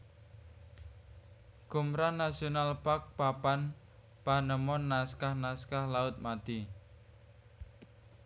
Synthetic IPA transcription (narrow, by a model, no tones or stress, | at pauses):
ɡ̥umɾanasionalpak̚papan | panəmɔnːaskahnaskahlaʊt̪̚mad̪̥i